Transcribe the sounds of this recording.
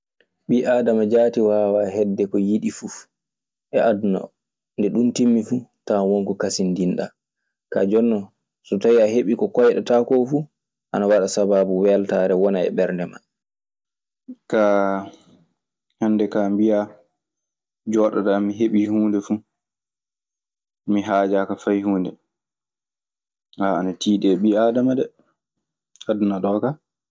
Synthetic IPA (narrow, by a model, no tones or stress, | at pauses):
ɓiʔaːdamad͡ʒaːtiwaːwaɦɛdːɛkɔjiɗifu | ʔɛʔadunɔ̰ | ndɛɗuntimːifutawɔŋkɔkasindinɗa̰ | ka̰d͡ʒɔnːɔ | sɔtawiaɦeɓikɔkɔjɗɛtakɔfu | ʔanawaɗasabaːbuwɛltaːɾɛwɔnaɛ̰ɓɛɾndɛma̰ | ka | hɛnːdɛkambija | d͡ʒɔːɗɔtamiɦeɓihuːndɛfu | miɦaːd͡ʒaːkafajhuːndɛ | haanatiːɗɛɓiadamadɛ | hadunaɗɔːka